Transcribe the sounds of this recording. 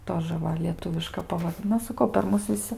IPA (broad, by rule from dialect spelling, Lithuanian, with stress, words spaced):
ˈtoːʒə ˈʋɐ lʲiɛˈtʊʋʲɪʃkɐ pɐʋɐr ˈnɐ sɐˈkɐʊ pʲɛr ˈmʊs ʋʲɪˈsʲɪ